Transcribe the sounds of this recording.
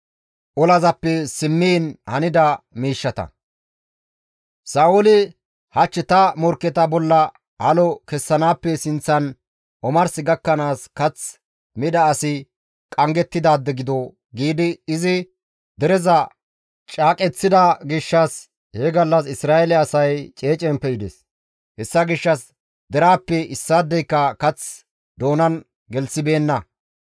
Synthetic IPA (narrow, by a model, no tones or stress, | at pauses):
ʔɔlɐzɐpːɛsɪmːiːnhɐnɪd̪ɐmiːʃːɐt̪ɐ̰ | saːʔʊlɪ | hɐt͡ʃːɪt̪ɐmɔɾkːɛt̪ɐbɔlːɐ | hɐlɔkɛsːɐnaːpːɛsɪnt͡sːɐn | ʔɔmɐɾsɪɡɐkːɐnaːskɐt͡s | mɪd̪ɐːsɪ | kʼɐŋɡɛt̪ːɪd̪aːd̪ːɛɡɪd̪ɔ | ɡiːd̪ɪːzɪ | d̪ɛɾɛzɐ | t͡ʃʼaːkʼɛt͡sːɪd̪ɐɡɪʃːɐs | heɡɐlːɐsɪsɾaːʔɛlɛɐsɐjt͡ʃʼe̞ːt͡ʃʼɛmpɛɪd̪ɛs | hɛsːɐɡɪʃːɐs | d̪ɛɾaːpːɛɪsːaːd̪ːɛjkːɐkɐt͡s | d̪o̞ːnɐn | ɡɛlsɪbe̞ːnːɐ